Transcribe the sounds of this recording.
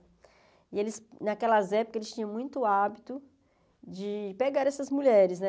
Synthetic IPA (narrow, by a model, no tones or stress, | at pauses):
ielɪsnakɛlɐzɛpokɐelɪst͡ʃĩɲɐ̃w̃mũj̃t̪ʊabit̪ʊ | d͡ʒɪpeɡaɾɛsɐzmuʎɛɾɪznɛ